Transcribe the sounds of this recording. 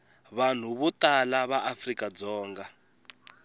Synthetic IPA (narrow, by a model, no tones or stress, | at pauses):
βan̤uβutalaβaʔafrikad͡zɔːŋɡa